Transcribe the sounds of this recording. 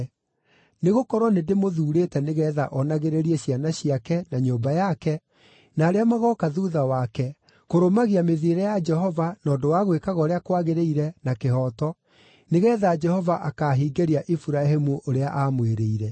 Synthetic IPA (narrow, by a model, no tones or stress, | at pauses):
neɣokɔɾwɔnedemoðuːɾeːtɛneɣɛːðaʔɔnaɣeɾeɾiɛɕianaɕiakɛnaɲoːmbajakɛ | naːɾeamaɣɔkaðuðawakɛ | koɾomaɣiameðeɾɛjad͡ʒɛɦɔvanɔːdowaɣwekaɣɔɾeakwaɣeɾeiɾɛnakeɦɔtɔ | neɣɛːðaːd͡ʒɛhɔvaʔakaːɦiːɡeɾiaʔifuɾaɦemuʔoɾeaʔamweɾeiɾɛ